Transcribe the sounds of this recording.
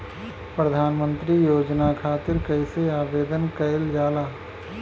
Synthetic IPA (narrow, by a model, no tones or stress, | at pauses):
pɾəd̪ʱaːnmə̃nt̪ɾijoːd͡ʒnakʰaːt̪ɪɾkəɪseaːbeːd̪ənkəɪld͡ʒaːlaː